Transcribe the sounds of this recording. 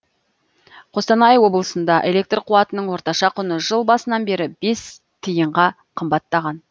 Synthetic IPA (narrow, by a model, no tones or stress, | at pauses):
qʰo̞st̪ɑnɑjwo̞bəlˠəsənd̪ɑʔe̞lʲe̞k̚t̪rqʰuɑt̪ənəɴwo̞ɾt̪ɑʃɑqʰʊnəʒəlˠbɑsənɑnbe̞ɾɪbe̞s | t̪ʰijəɴʁɑ | qʰəmbɑt̪ːɑʁɑn